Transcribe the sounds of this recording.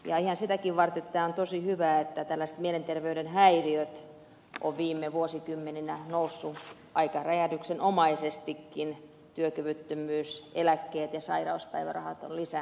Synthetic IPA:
jɑihɑnsit̪ækiʋʋɑrt̪et̪ːæːont̪osihyʋæːet̪ːæt̪ælːæst̪mielent̪erʋeyɾenhæiriøt̪ | ʔo̰ʋʋiːmːeʋuosikymːeninænousːu | ʔɑikɑræjætyksenomɑisest̪ikːin | t̪yøkyʋyt̪ːømyːselækːeːt̪jɑsɑirɑuspæ̰iʋæ̰rɑ̰hɑt̪o̰llisæ

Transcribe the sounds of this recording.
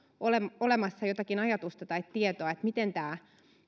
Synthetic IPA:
olemolemɑsːɑjot̪ɑkinɑjɑt̪ust̪ɑt̪ɑit̪tːiet̪oɑet̪mit̪ent̪æː

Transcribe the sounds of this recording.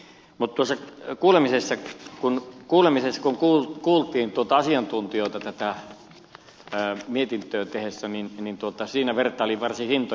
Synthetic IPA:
mut̪t̪uosːɑkuːlemisesːɑkunkuːlemisesːɑ̥kuŋkuːkuːlt̪ˑiːnt̪uot̪ɑɑsiɑnt̪unt̪ioˑːt̪ɑt̪æt̪æ | miet̪int̪øːt̪ehesːæninnint̪uot̪ɑsiːnæʋert̪ːˑɑːoliʋɑrsihint̪o

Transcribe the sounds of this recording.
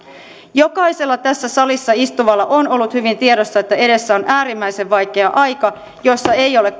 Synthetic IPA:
jo̞kɑjse̞lːɑt̪æsːæsɑlisːɑist̪uʋɑlːɑʔo̞no̞lːut̪hyʋint̪iedo̞sːɑe̞t̪ːæe̞de̞sːæo̞nʔæːɾimːæjse̞ʋʋɑjk̟e̞ɑʔɑjkɑ | jo̞sːɑe̞jo̞le̞k

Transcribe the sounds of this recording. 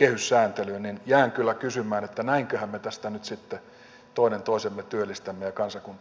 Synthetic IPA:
ehyssæːnt̪elynninjæːŋkylːækysymæːnet̪ːænæiŋkøhæmmet̪æst̪ænyt̪sit̪ːe | t̪oinent̪oˑisemːet̪yølːˑist̪æmːejɑkɑnsɑkun

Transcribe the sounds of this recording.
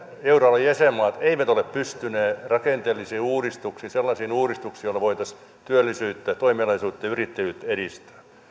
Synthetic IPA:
eurɑlɑjjæsemːɑːt̪eiʋæt̪oleppyst̪yneːrɑkent̪eːlːisiːuːɾist̪uksiːnselːɑsiːnuːɾist̪uksiːjolːɑʋoit̪ɑs | t̪yølːisyːt̪ːæt̪oimiɑlɑisuːt̪ːɑjɑyrit̪ːejyːt̪ːeɾist̪æ̥ː

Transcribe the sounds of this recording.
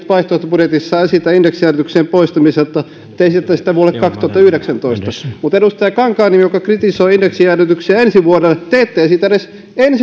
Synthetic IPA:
t̪pɑist̪oist̪ɑbudjet̪isːɑsit̪æindeksiæret̪ykseːmpoist̪ɑmiset̪ːɑ | t̪ːeisit̪et̪ːæsit̪æʋuolekkɑkst̪ŭoɑt̪ːˑɑyhɾeksænt̪oist̪ɑmut̪eɾust̪eɑkɑŋkɑːnimijokɑkrit̪isoiindeksijæret̪yksiæensiʋuoɾet̪eːt̪ːeæsiːt̪æeɾes | ens

